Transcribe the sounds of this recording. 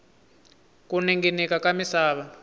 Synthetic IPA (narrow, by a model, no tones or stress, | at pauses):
kunɛŋɡɛnɛkakamisaːβa